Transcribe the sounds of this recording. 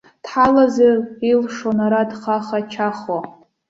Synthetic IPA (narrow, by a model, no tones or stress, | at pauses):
d̥ħalazarilʂonaɾadχaχat͡ʃʰaχwa